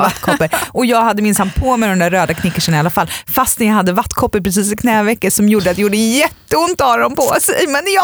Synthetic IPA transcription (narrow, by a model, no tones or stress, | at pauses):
at̪ːkʰɔpːəɾʔɔjɑːɡhad̪ːəmɪnsanːpʰɔmɛjd̪ɔmd̪æɾːøːd̪akʰnɪkːəʂənɪalːafalfast̪nɛnjɑhad̪ːəvat̪ːkʰɔpːəɾpʰɾɛs̬iːsɪkʰnɛːvɛkːəsɔmjuːɖəat̪ɛjuːɖəjɛt̪ːəʊnt̪ɑːɾɔnpɔ̰sɛjmɛnj